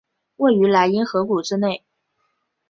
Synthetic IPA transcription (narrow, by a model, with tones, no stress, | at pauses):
we˥˩ɪy˧˥la˧˥ɪi˥nxɤ˧˥ku˨˩ʈ͡ʂɻ̩˥ne˥˩ɪ